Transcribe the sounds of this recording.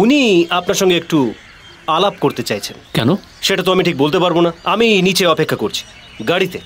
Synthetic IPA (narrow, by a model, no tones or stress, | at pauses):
uniapnaɾʃɔŋɡeek̚ʈu | alap̚koɾt̪et͡ɕajt͡ɕʰenkɛ̰no | ʃeʈat̪̬oamiʈʰik̚bolt̪epaɾbonaaminit͡ɕeɔpekʰːakoɾt͡ɕʰi̥ | ɡaɽit̪e